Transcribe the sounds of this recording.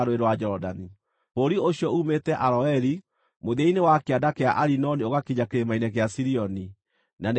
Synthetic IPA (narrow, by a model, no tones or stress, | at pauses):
ɾoeɾwad͡ʒɔdani | poɾioɕiɔuːmetɛʔaɾɔɛɾi | moðainewakeadakeaʔaɾinɔnioɣakiɲakeɾemainɛkeasiɾiɔni | nan